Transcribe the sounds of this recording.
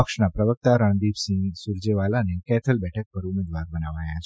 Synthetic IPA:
əkʃnapɾəʋək̚t̪aɾəɳɖ̪ibsĩŋsuɾd͡ʒeʋalanekɛt̪ʰəlbɛʈʰək̚pəɾumed̪ʋaɾbənaʋajat͡ʃʰ

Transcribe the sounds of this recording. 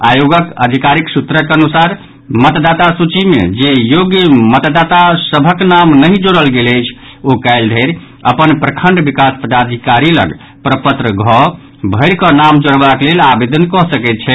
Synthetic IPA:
ajoɡəkəd̪ʱikaɾiksut̪ɾəkənusaɾ | mət̪d̪at̪asut͡ʃimḛd͡ʒejoɡjəmət̪d̪at̪asəbʱəknamnəɦĩd͡ʒoɽəlɡeləjt͡ʃʰokaɪld̪ʱeɾ | əpənpɾəkʰəɳɖbikaspəd̪ad̪ʱikaɾilə̰ɡ | pɾəpət̪ɾəɡʱɔ | bʱəɪɾkənamd͡ʒoɽbaklelabed̪ənkɔsəkɛt̪̚t͡ʃʰɛ

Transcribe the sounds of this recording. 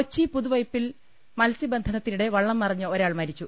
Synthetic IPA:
ot͡ɕːipuðuʋɐjpːil | mɐlsibɐnd̪ʱɐnɐt̪ːinuɽe̞ʋɐɭːɐmpɐrɐɲːuoɾaːɭmɐɾit͡ɕːu

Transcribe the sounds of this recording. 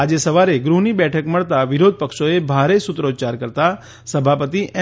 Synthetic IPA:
ad͡ʒesəʋaɾeɡɾunibɛʈʰəkməɭt̪aʋɪɾod̪̚ʱpəkʃoebʱaɾesʊt̪ɾod͡ʒt͡ʃaɾkəɾt̪a | səbʱapət̪iʔɛ

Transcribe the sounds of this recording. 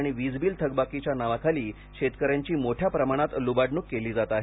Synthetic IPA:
ɽ̃iʋid͡zbiːlt̪ʰəɡbakit͡ɕjanaʋakʰaliː | ɕet̪kəɾjaɲt͡ɕiːmoʈʰjapɾəmaɽ̃at̪lubaɖnukːeliːd͡zat̪aɦe

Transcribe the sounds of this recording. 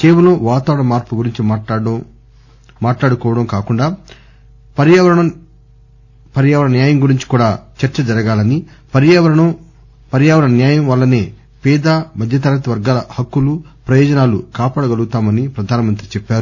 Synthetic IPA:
keːʋɐloːʋaːt̪aːʋɾɐɳɐmaːɾpuɡuɾiɲt͡ʃi | maːʈlaːɽukɔːʋɐɽɐmkaːkuɳɖaː | pɐɾjaɐɐɳɐ | pɐɾjaːʋɐɳɐnjaːjɐmɡuɾiɲt͡ʃi̥kuːɽaːt͡ʃɐɾt͡ʃɐd͡ʒɐɾɐɡaːlɐnipɐɾjaʋɾɐɳɐ | pɐɾjaːʋɐɾɐɳɐnjaːjɐmʋɐlːɐneː | pɛːd̪aːmɐd̪ʱjɐt̪ɐɾɐɐt̪ɐʋɐɾɡaːlɐhɐkːulupɾɐjɔːd͡ʒɐnaːlṵkaːpaːɽɐɡɐlɡut̪aːmɐnipɾɐd̪ʱaːnɐmɐnt̪ɾit͡ʃɛpːaːɾu

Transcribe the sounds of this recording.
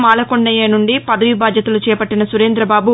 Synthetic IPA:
maːlɐkoɳɖɐjeːnuɳɖipɐd̪ɐʋibaːd̪jɐt̪ɐlut͡ʃɛːpɐʈːinɐsuɾeːnd̪ɾɐbaːbu

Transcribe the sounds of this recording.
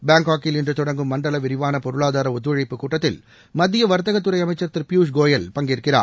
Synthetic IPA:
baːŋɡaːkːɪlɪndrɯt̪ɔɽɐŋɡɯmːɐɳɖɐlɐʋɪɾɪʋaːnɐpɔɾɯɭaːðaːɾɐʊt̪̬ːʋɐɻɐɪpːɯkuːʈːɐt̪ːɪl | mɐðːɪjɐʋɐɾɯt̪ɐɣɐt̪ːɯɾɐɪɐmɐɪt͡ʃːɐɾt̪ːɪɾpjuːs̬ɡoːjɐlpɐŋɡɪɾɯkːɪra̰ː

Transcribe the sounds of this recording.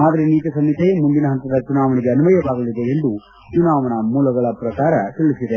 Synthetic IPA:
aːd̪ɐɾeniːt̪ɐsɐmːit̪ʰemund̪inɐɦɐnt̪ɐd̪ɐt͡ʃunaːʋɐniɡe̞ɐnumɐjɐʋaːɡɐlid̪eend̪u | t͡ʃunaːʋɐɳɐmuːlɐɡɐɭɐpɾɐkaːɾɐt̪iɭisid̪e

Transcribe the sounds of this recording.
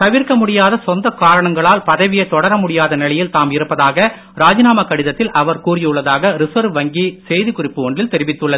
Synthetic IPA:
t̪ɐʋɪrkɐmʊɽɪjaːðɐsɔnd̪ɐkaːɾɐɳɐŋɡɐɭaːlpɐðɐʋɪjɐt̪ːɔɽɐɾɐmʊɽɪjaːðɐnɪɭɐjɪlt̪aːmɪɾɯpːɐðaːɣɐ | ɾaːd͡ʒɪnaːmɐkɐɽɪðɐt̪ːɪlʔɐʋɐɾkuːrɪjɯɭːɐðaːɣɐɾɪsɐɾʋɐŋɡisɛjðɯkʊrɪpːɯɔɳɖrɪlt̪ɛɾɪʋɪt̪ːɯɭːɐð

